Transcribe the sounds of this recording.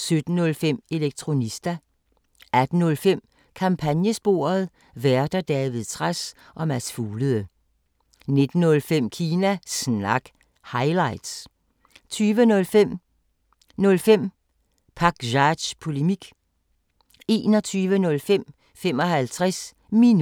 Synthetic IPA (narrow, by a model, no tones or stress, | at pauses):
sød̥n̩ːɔ̽lfem̰e̝leɡ̥̚t͡sʰʁo̝nisd̥ɐ | æd̥n̩ɔ̽lfem̰ | kʰɑ̈mpʰænjəsb̥o̝̰ɐð̞̩ˠ | ʋæɐd̥ɐd̥ɛːʋiðˠt͡sʰʁas | ʔɒ̽mæsfuːləð̩ˠə | ne̝d̥n̩ːɔ̽lfem̰kʰiːnæsnɑ̈ɡ̥ | hɑ̈ɪlɑ̈ɪd̥s | t͡sʰyːʋənɔ̽lfem̰ | nɔ̽lfem̰ | pʰɑ̈ɡ̥ɕɑd̥spʰo̝lemiɡ̥ | e̝ːnɒ̽t͡sʰyːʋənɔ̽lfem̰ | fem̰ɒ̽hælt͡sʰʁas | min